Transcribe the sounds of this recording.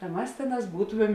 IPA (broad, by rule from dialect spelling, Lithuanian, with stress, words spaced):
tɐ ˈmɐs ˈtʲeːˌnɑːs ˈbuːtoːmʲɛm